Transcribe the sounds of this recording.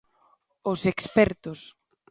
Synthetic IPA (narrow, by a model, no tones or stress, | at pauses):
ʊsekspɛɾt̪ʊs